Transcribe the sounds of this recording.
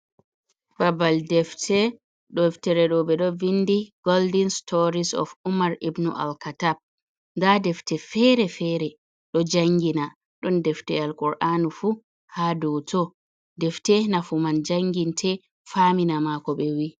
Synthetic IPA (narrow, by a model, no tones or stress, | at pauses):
babaldɛftʰɛ | ɗɔftɛɾɛɗɔɓɛɗɔvindiɡ̥ɔldinstʰɔɾisɔ̰fumaɾibnṵʔa̰lkatab̚ | dadɛftɛfɛɾɛfɛɾɛ | ɗɔd͡ʒaŋɡina | ɗɔndɛftɛalkʼɔɾʔanufu | hadɔtʰɔ | dɛftɛnafumand͡ʒaŋɡintʰɛ | faminamakɔɓɛwi